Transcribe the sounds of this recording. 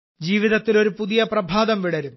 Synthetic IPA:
d͡ʑiːʋiðɐt̪ːilo̞ɾupuðijɐprɐbʱaːd̪ɐmʋiɽɐɾumː

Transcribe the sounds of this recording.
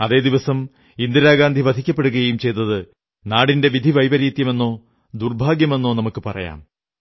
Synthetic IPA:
ɐðe̞ːd̪iʋɐsɐm | ind̪iɾaːɡaːnd̪ʱiʋɐd̪ʱikʲːɐpːe̞ɽuɣɐjejumt͡ɕe̞jt̪ːɐðɨ | naːɽinde̞ʋid̪ʱiʋɐjbɐɾiːt̪jɐme̞nːo̞ː | d̪urbʱaːɡjɐme̞nːo̞ːnɐmukːɨpɐrɐ̰ja̰ːm

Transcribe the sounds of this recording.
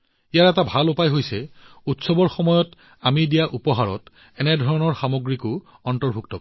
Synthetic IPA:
ijaɹɛtabʱalupajɦojsɛutsɔbɔɹxɔmɔjɔt | amidijaʔupɔɦaɹɔ̰t | ɛnɛdʱɔɹɔnɔɹxamoɡɹikʊ | ɔntɔɹbʱuktɔ

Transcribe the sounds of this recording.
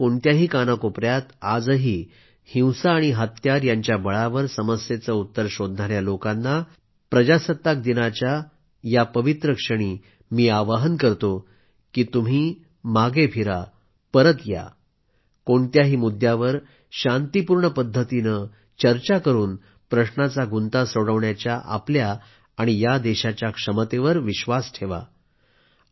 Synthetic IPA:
koɳt̪jaɦiːkanəkopɾjat̪ad͡zəɦiː | hĩwsaːɽ̃iɦət̪jaɾjaɲt͡ɕjabəɭaʋəɾsəməsjet͡səut̪ːəɾɕod̪ʱnaɽjalokanːa | pɾəd͡ʑasət̪ːak̚d̪inat͡ɕja | japəʋit̪ɾəkʂəɽ̃iː | miːaʋəɦənkəɾt̪o | kiːt̪um̤iː | maɡepʰiɾa | pəɾət̪ja̰ | koɳt̪jaɦiːmud̪ʱjaʋəɾ | ɕant̪ipuːɾɳəpəd̪ʱːət̪inə | t͡ɕəɾt͡ɕakəɾuːn | pɾəɕɳat͡saɡunt̪asoɽəʋɳjat͡ɕjaʔa̰pljaː | ɽ̃ijad̪ɛɕat͡ɕjakʂəmət̪eʋəɾʋiɕʋasʈʰeʋa̰

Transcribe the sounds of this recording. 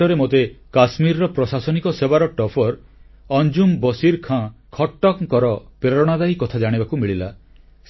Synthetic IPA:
ɔɾemot̪ekasmiɾɔɾɔpɾɔsasɔnikɔsebaɾɔʈɔpʰɔɾ | ɔnd͡ʒumbɔsiɾkʰãkʰɔʈːɔkkɔɾɔpeɾɔɽ̃ad̪aikɔt̪ʰad͡ʒaɽ̃ibakumiɭila

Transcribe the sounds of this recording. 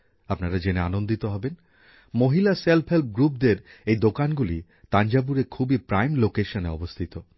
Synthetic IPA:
apnaɾad͡ʑeneanond̪it̪oɦɔben | moɦilaselpʰɦelp̚ʰɡɾup̚d̪eɾejd̪okanɡuli | t̪and͡ʑabuɾeɾkʰubipɾajmlokeʃoneɔbost̪ʰit̪o

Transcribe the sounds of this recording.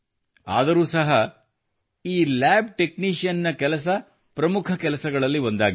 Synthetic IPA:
a̰ːd̪ɐɾuːsɐɦɐ | iːlæːb̚ʈe̞kniːʂijɐnːɐkɛlɐs̬ɐ | pɾɐmukʰɐkɛlɐsɐɡɐɭɐlːiʋond̪aːɡi

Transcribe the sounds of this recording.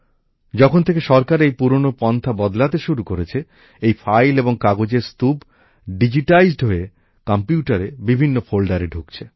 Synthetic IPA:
d͡ʑɔkʰont̪ʰekeʃɔɾkaɾejpuɾonopɔnt̪ʰabɔd̪lat̪eʃuɾukoɾet͡ɕʰe | ejfʰajleboŋkaɡod͡ʑeɾst̪ub | ɖid͡ʑiʈajzɖɦoe | kampjuʈaɾebibʱinːofʰolɖaɾeɖʱukt͡ɕʰe

